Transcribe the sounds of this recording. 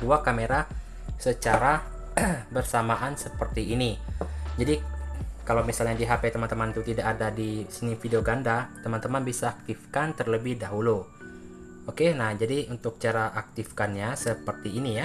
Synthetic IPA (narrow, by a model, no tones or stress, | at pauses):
uakameɾa | sət͡ʃaɾa | bərsamaʔansəpərt̪iːnid͡ʒadikalawmisalɲadiɦapet̪əmant̪əmant̪ut̪idakadadisənifideoɡandat̪əmant̪əmanbisaːk̚t̪ifkant̪ərləbɪhdaɦulu | okenahd͡ʒadiunt̪ʊk̚t͡ʃaɾaʔak̚t̪ifkanɲasəpərt̪iːnija